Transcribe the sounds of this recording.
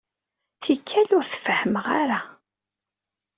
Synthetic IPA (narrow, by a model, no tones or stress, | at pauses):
θikʰːælʊɾθə̥fəhəməʁaɾa